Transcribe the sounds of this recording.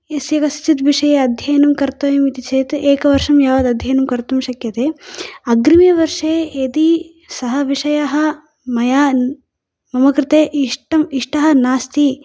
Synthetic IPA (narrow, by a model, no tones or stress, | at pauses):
esjɐkɐst͡ʃit̪ʋiʂɐjeɐd̪ʱjɐjɐnɐmkɐɾt̪ɐjɐmit̪it͡ʃeːt̪eːkɐʋɐɾʂɐmjaːʋɐd̪ɐd̪ʱjɐjɐnɐmkɐɾt̪umʃɐkjɐt̪eːɐɡɾimeːʋɐɾʂeːed̪i | sɐɦɐʋiʂɐjaɦɐ | mɐjaː | mɐmɐkɾɪt̪eːʔiʂʈɐmiʂʈɐɦɐ̆naːst̪i